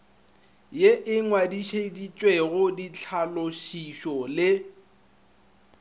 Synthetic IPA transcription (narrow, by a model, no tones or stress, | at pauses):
jeʔɪŋwadiʃedit͡ʃʼweɣʊdit͡ɬʰaloʃiʃɔlɪ